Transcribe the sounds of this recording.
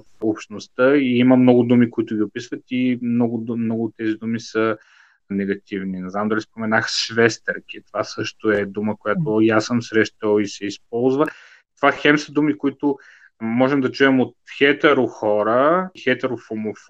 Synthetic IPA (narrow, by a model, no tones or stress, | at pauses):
fopʃt̪nost̪əiiməmnɔɡʊd̪umikoit̪ʊɡʲiopisvət̪imnɔɡʊmnɔɡʊːt̪ːɛzid̪umisə | nɛɡɐt̪ivninɛznamd̪ɐlʲispomɛnaxsʃvɛst̪əɾkit̪ovasɤʃt̪oɛd̪uməkojat̪ojasəmsɾɛʃt̪olisɛisp̚ɔlˠzvə | t̪ovaxɛmsəd̪umikoit̪ʊ | mɔʒɛmd̪ɐt͡ʃuɛmot̪̚xɛt̪ɛɾʊxɔɾəxɛt̪ɛɾofomof